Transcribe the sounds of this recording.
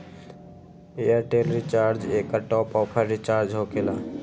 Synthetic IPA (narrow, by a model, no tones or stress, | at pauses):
iaɾʈeːlɾit͡ʃaːɾd͡ʒeːkːaʈɔːpɔːpʰəɾɾit͡ʃaːɾd͡ʒɦokelaː